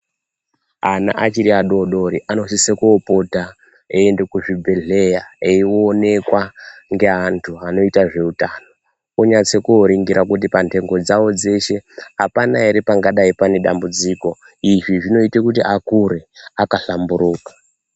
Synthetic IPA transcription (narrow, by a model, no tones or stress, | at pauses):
ana̰ʔat͡ʃiɾiaɗo̞ɗo̞ɾiʔano̞sisekuːpo̞ta | eːndekuʐibʱe̞ɮe̞jaeione̞kwaŋɡe̞ɦantʰuano̞itaʐe̞utano̞ | oɲat͡sekuoɾiŋɡiɾak̬ut̬ipante̞ŋɡo̞d͡zawo̞d͡ze̞ʃe̞apanaɦeɾipaŋɡaɗaipaneɗa̰mbud͡ziːko̞ | iʐiʐino̞itekutiakuɾe̞akaɬambuɾuːkḁ